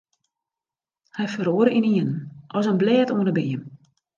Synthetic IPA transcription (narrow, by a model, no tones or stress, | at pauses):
hɛjfəɾoəɾəʔiniənnʔɔs̬ənblɛːətoənəbiːəm